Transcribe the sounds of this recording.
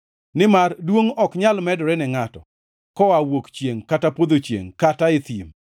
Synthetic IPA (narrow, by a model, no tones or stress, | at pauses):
nɪmardwoŋɔkɲalmɛdɾɛnɛŋatɔ̰ | kɔawokt͡ʃjeŋkatapod̪ot͡ʃjḛŋkataɪt̪im